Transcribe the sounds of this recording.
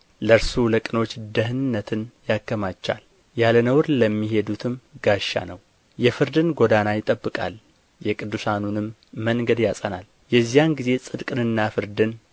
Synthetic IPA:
ləɾsuləkʼɨno̞t͡ʃːd̪əɦɨnɨnːət̪ʰɨnjakːəmat͡ʃːa̰l | jalənəwɾləmːiɦe̞d̪ut̪ʰɨmɡaʃːa̰nəw | jɛfɨɾd̪ɨnɡo̞d̪anajɪt̪ʼəbːɨkʼa̰l | jɛkʼɨd̪ːusanunɨmː | əŋɡəd̪jasʼənal | jɛzːijanɡize̞sʼɨd̪kʼɨnɨnːafɨɾd̪ɨn

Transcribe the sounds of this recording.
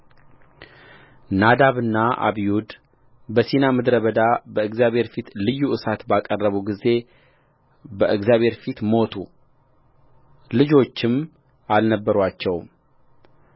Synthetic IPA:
nad̪aβɨnːaʔa̰βijud̪ | bəsinamɨd̪ɾəβəd̪abəɨɡzjaβhe̞ɾfit̪lɨjːuʔɨsat̪bakʼərːəβuɡize̞ | bəɨɡzjaβʱhe̞ɾfit̪mo̞t̪ʰu | lɨd͡ʒo̞t͡ʃːɪm | alnəbːəɾwat͡ʃːɛw

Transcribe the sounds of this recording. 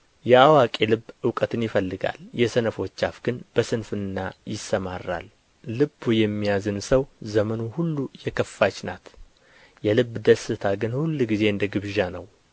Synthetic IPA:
jɛawakʼelɨbːʔɨwkʼət̪ʰɨnjɪfəlːɨɡa̰ljɛsənəfo̞t͡ʃːafɡ̥ɨnb̥əsɨnfɨnːajɪsːəmarːa̰lː | ɨbːujɛmːijazɨnsəwzəmənuhulːujɛkʰəfːat͡ʃnat̪ | jɛlɨbːd̪əsɨt̪ʰaɡɨnhulːɡize̞ɨnd̪əɡɨβʒanəw

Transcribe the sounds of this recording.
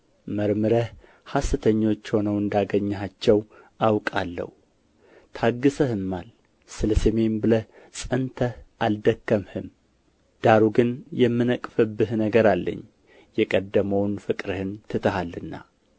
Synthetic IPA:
məɾmɨɾəh | hasɨt̪ʰəɲːo̞t͡ʃːho̞nəwɨnd̪aɡəɲːhat͡ʃːɛw | ʔawkʼalːə̰hu | t̪ʰaɡːɨsəhɨmːal | sɨləseme̞nbɨləh | sʼənt̪ʰəhʔald̪əkːəmhɨm | d̪̥aɾuɡɨnjɛmːɨnəkʼfɨbːɨhnəɡəɾalːə̰ɲː | jɛkʼəd̪ːəməwnfɨkʼɾɨhɨnt̪ʰɨt̪ʰəɦalːɨnːa̰

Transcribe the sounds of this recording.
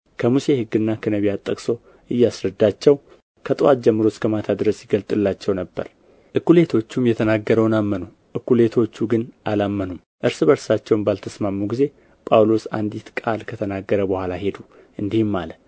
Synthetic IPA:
kʰəmuse̞hɨɡːɨnːakʰənəβijat̪ʼːəkʼso̞ | ʔɨjːasɾəd̪ːat͡ʃːɛw | kʰət̪ʼɨwat̪̚d͡ʒɛmːɨɾo̞skʰəmat̪ʰad̪ɨɾəsjɪɡəlt̪ʼɨlːat͡ʃːɛwnəbːə̰ɾ | ʔɨkːule̞t̪ʰo̞t͡ʃːumjɛt̪ʰənaɡːəɾəwnamːənu | ʔɨkːule̞t̪ʰo̞t͡ʃːuɡɨnʔalamːənum | ʔɨɾsɨbəɾsat͡ʃːɛwnbalt̪ʰəsmamːuɡize̞ | pʼawlo̞sa̰nd̪it̪kʼalkʰət̪ʰənaɡːəɾəbəhʷalaɦe̞d̪u | ʔɨnd̪ihɪmːalə

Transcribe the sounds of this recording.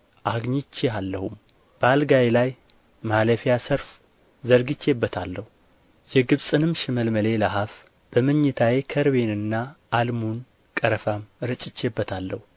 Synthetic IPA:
ʔaɡɲit͡ʃːealːəhum | b̥əalɡajelaj | maləfijasəɾf | zəɾɡɨt͡ʃːebːət̪ʰalːəhu | jɛɡɨβsʼɨnɨmʃɪməlməle̞laɦaf | b̥əmɨɲːɪt̪ʰawekʰəɾβe̞nɨnːaːlmun | kʼəɾəfamɾɨt͡ʃʼɪt͡ʃːebːət̪ʰalːəhu

